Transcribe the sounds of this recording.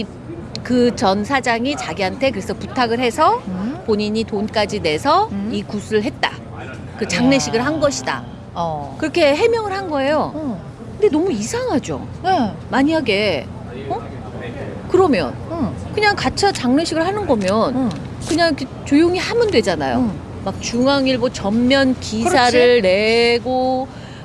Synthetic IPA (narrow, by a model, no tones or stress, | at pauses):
i | kɯt͡ɕʌnsʰad͡ʑaŋit͡ɕaɡiantʰe̞kɯɾe̞sʰʌputʰaɡɯɭhe̞sʰʌpoɲiɲitonk͈ad͡ʑine̞sʰʌikusʰɯɯɭɦe̞t̚t͈a̰ | kɯt͡ɕaŋne̞ɕʰiɡɯɭɦanɡʌɕʰida̰ | kɯɾʌkʰe̞ɦe̞mjʌŋɯɭhanɡʌe̞jo | kkɯnde̞nʌmuisʰaŋɦad͡ʑo̰ | e | maɲiɦaɡe̞ | ʌ | kɯɾʌmjʌ̰nkɯɲaŋkat͡ɕʰat͡ɕaŋne̞ɕʰiɡɯɭhanɯnɡʌmjʌn | kɯɲaŋiket͡ɕojoŋihamjʌndwe̞d͡ʑana̰jo̰ | mak̚t͡ɕuŋaŋiɭbot͡ɕʌmːjʌnkisʰaɾɯɭne̞ɡo